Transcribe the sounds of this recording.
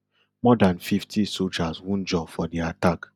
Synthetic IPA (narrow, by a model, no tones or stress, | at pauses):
mɔdãnfiftʰisold͡ʒaswũnd͡ʒɔfɔdiatak